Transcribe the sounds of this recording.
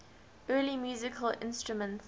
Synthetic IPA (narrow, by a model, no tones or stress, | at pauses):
ɜːlimjuːzɪkʰəlɪ̰̃nstɹ̥umə̃nts